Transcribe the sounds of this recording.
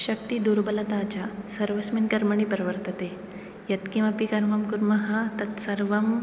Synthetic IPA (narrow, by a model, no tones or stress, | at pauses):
ɕɐk̚t̪iːd̪uɾbɐlɐt̪at͡ɕasɐɾʋɐsminkɐɾməɳ̃iːpɾɐʋəɾt̪ət̪e | jɐt̪kimɐpikɐɾmɐmkuɾmɐɦɐt̪ɐt̪sɐɾʋɐm